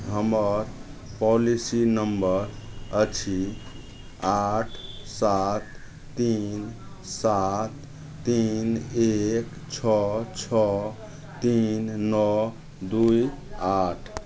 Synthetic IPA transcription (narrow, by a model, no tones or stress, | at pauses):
ɦəməɾ | pɔlisinəmbəɾət͡ʃʰi | aʈʰsat̪ː | in | sat̪ː | inek | t͡ʃʰɔt͡ʃʰɔ | t̪innɔ | d̪uj | aʈʰ